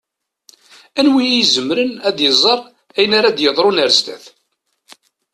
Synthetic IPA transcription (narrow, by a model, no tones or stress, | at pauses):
ænwijjizəmɾənæd̪jəzˤəɾˤ | æjənaɾad̪jəðˤɾunæɾzd̪æ̰θ